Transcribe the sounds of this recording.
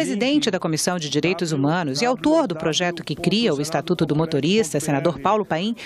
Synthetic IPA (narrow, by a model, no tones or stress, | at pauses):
ɾezid̪ẽnt͡ʃɪd̪ɐkomisɐ̃w̃d͡ʒɪd͡ʒiɾejt̪ʊzumɐ̃nʊzɪawt̪oɾd̪ʊpɾoʒɛt̪ʊkɪkɾiɐʊɪst̪at̪ut̪ʊd̪ʊmot̪oɾist̪ɐsenad̪oɾpawlʊpaĩ